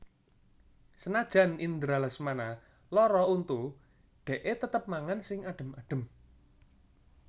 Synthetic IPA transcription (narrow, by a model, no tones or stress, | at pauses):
sənad̥ʒ̥a̤nind̪ɾalasmana | lɔɾɔunt̪u | ɖ̪̥ɛ̤ʔet̪ət̪əp̚maŋansɪŋaɖ̥ə̤maɖ̥ə̤m